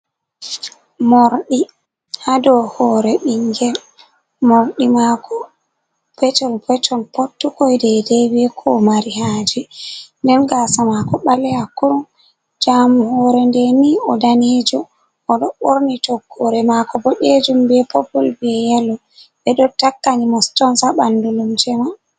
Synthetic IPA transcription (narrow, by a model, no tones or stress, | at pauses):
moɾɗi | hadɔhɔɾɛɓiŋɡɛl | moɾɗimakʰɔ | pɛtɔlpɛtʰɔnpotːukɔjdɛdɛbɛkʰɔmaɾihaːd͡ʒindɛnɡasamakɔɓalɛakːuɾum | d͡ʒamuhɔɾɛndɛniɔdaned͡ʒɔ | ɔɗɔɓoɾnitɔkʰːɔɾɛmakɔbɔɗed͡ʒumbɛpopulbɛjɛlɔ | ɓɛɗɔtakːanimɔstɔnsaɓandulumd͡ʒɛma